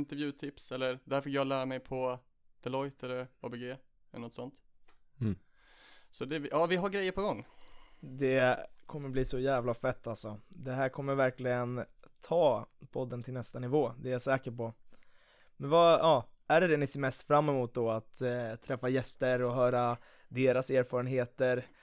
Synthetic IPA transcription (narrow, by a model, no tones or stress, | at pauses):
ɪnt̪ɛɾvjʉ̟ːt̪ʰɪpsɛlːəɾd̪æɾfəkjɑːlæːɾamɛjpʰɔ | d̪̥ɛlɔjt̪ʰɛlːəɾɑ̰beɡeː | ɛlːənɔt̪ːsɔnt̪ | sɔd̪ɛvjɑːvɪɦaɾɡɾɛjːəɾpʰɔɡɔŋːd̪ɛkʰɔmːəɾbliːsɔjæːvlafɛt̪ʰːalsɔd̪ɛɦæːɾkʰɔmːəɾvæɾklɪɡənt̪ʰɑːpʰɔd̪ːənt̪ʰɪlnɛst̪anɪvoːd̪ɛjasɛːkəɾpɔ | mɛnvɑɑːæɖɛd̪ɛnɪseːɾmɛst̪fɾamːɛmuːt̪̚d̪ɔat̪t̪ʰːɾɛfːajɛst̪əɾɔɦœːɾa | d̪eːɾaseːɾfɑːɾənɦeːt̪əɾ